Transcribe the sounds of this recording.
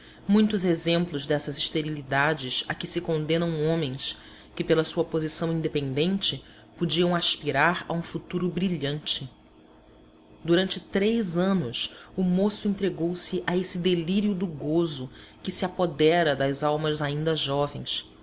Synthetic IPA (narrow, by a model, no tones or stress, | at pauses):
mũj̃t̪ʊzezẽmplʊzd̪ɛsɐziʃt̪eɾilid̪ad͡ʒɪsakɪsɪkõnd̪ẽnɐ̃w̃õmẽj̃s | kɪpelɐsuɐpozisɐ̃w̃ĩnd̪epẽnd̪ẽnt͡ʃɪ | pud͡ʒiɐ̃w̃aʃpiɾaɾɐ̰ũfut̪uɾʊbɾiʎɐ̃nt͡ʃɪ | d̪uɾɐ̃nt͡ʃɪt̪ɾejzɐ̃nʊsʊmosʊẽnt̪ɾeɡowsɪʔaesɪd̪eliɾiʊd̪ʊɡozʊ | kɪsiapod̪ɛɾɐd̪ɐzawmɐzaĩnd̪ɐʒɔvḛ̃j̃s